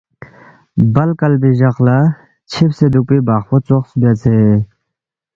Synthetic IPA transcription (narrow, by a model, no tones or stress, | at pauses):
bɐlkɐlbiʑɐqla | t͡ɕʰipsed̪uk̚pibaːχpot͡soχsbat͡sʰe